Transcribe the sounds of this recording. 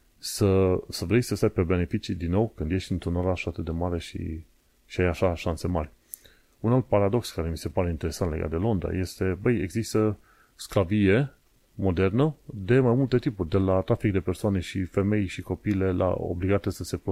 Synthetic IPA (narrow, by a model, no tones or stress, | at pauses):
səsəvɾe̞jsəst̪ajb̚ʲpe̞be̞ne̞fit͡ʃid̪inːo̞wkɨnd̪je̞ʃt̪ɨnt̪ɾunoɾaʃat̪ɨt̪̚d̪e̞maɾe̞ʃḭ | ʃiajaʃaʃanse̞marʲ | unalt̪̚paɾad̪o̞kskaɾe̞mise̞paɾe̞int̪e̞ɾe̞sant̪leɡa̰t̪d̪e̞lo̞nd̪ɾa̰je̞st̪e̞bəjeɡzist̪ə | skɾavie̞ | mo̞d̪e̞rnəd̪e̞majmult̪e̞t̪ipurʲd̪e̞lat̪ɾafikd̪e̞persoane̞ʃife̞me̞jʃiko̞piːle̞lʔa̰o̰bliɡat̪esəse̞p